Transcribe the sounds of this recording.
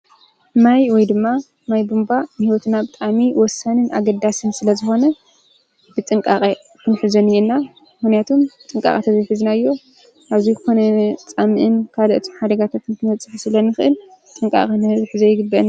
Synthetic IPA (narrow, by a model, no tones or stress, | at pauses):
majwɔjd̪ɨmːa | majbumbanɨhiwɔt̪nabɨt̪ʼamiwɔsːanɨnʔaɡɐd̪asɨnsɨlɐzɨxo̞nɐ | bɨt͡sʼɨŋkʼaχʼe | kʰɨnħɨzɐnɨjɛnːa | mɨxnijat̪ʰomt͡sʼɨŋkʼa̰χʼɐt̪ʰazɐjħɨznaɨjːo̞ | ʔaβzizɨko̞nɐt͡sʼamɨʔɨnkʰalɐʔɨt̪ʰomħad̪ɐɡat̪ʰat̪ɨnt̪ʰɨmɐt͡sʼːɨħusɨlɐnɨxɨʔɨlt͡sʼɨŋkʼa̰kʼɨnzħɨzɐjɪɡɨbːɐn